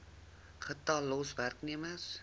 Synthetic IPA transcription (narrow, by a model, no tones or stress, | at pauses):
χət̪ɑlːosværkniəməs